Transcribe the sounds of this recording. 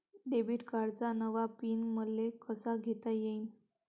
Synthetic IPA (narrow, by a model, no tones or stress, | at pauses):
ɖebiʈkaɾd͡zanəʋapiːnməlːekəsaɡʱet̪ajein